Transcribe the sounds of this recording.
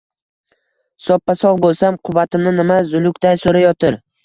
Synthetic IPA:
sɒpʰːasɒʁbolˠsamqʰʊvat̪ʰɪmnɪnɪmazʊlˠʊk̚ʲt̪ajsoɾajɒt̪ʰɪɾ

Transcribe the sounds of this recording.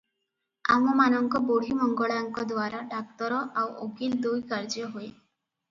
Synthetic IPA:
amɔmanɔŋkɔboɽ̤imɔŋɡɔɭaŋkɔd̪ʋaɾaɖak̚t̪ɔɾɔʔawoɡild̪ujkaɾd͡ʒɔɦoe

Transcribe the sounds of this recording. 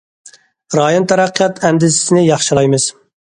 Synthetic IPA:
ɾɑːjont̪ʰɛɾæqʰːijɑt̪ʰɛnd̪ɪzɪ̥sɪnɪjɑχʃɨlˠɑjmɨz̥

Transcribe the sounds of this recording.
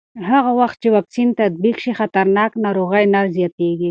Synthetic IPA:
ɦaɣawaxt̪̚t͡ʃewɑksint̪ad̪̚bikʃixat̪aɾnɑknɑɾoɣajnaɾzjɑt̪eɡi

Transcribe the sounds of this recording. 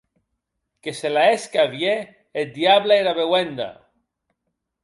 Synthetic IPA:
keselaeskaβjeː | d̪jaβlaeɾaβewend̪a̰

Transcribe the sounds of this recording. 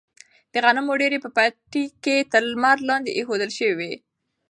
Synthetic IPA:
d̪̥əɣanamːoɖeɾepəpaʈiket̪əɾlmaɾlɑnd̪eʔexod̪əlʃəwiwe

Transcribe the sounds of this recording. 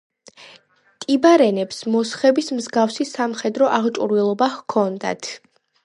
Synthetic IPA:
t̪ʼibaɾɛnɛpsmɔsχɛbismzɡafsisamχɛd̪ɾɔʔaʁt͡ʃʼuɾvilˠɔbahkʰɔnd̪a̰t̪ʰ

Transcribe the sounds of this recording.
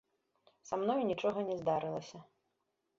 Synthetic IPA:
samnɔjunʲit͡ʂɔɣɐnʲɛzd̪aɾɨlˠɐsʲɐ

